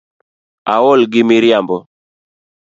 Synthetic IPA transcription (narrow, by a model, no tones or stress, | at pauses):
awɔlɡɪmiɾjambɔ